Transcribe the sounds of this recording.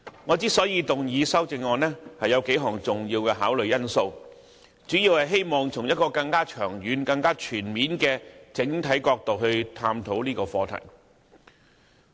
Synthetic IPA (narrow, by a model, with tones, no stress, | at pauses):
ŋɔː˨˧t͡siː˥sɔː˨˥jiː˨˧t̪ʊ˨ŋjiː˨˧sɐ˥wt͡sɪ˧ŋːɔː˨˧nɛː˥hɐ˨jɐ˨˧wke˨˥jɦɔː˨˩ŋt͡sʊ˨˩ŋjiː˧wkɛː˧ɦaː˨˥wlɵ˨ɥjɐ˥nso˧w | t͡syː˨˥jiː˧whɐ˨jɦe˥jmɔː˨˩ŋt͡sʰʊ˨˩ŋjɐ˥t̚kɔː˧kɐ˧ŋkaː˥t͡ʃʰœː˨˩ŋɥyː˨˧nkɐ˧ŋkaː˥t͡ʃʰyː˨˩nmiː˨˥nkɛː˧t͡sɪ˨˥ŋt̪ʰɐ˨˥jkɔː˧k̚t̪o˨˩wɦɵ˧ɥt̪ʰaː˧mt̪ʰo˨˥wliː˥kɔː˧fɔː˧t̪ʰɐ̰˨˩j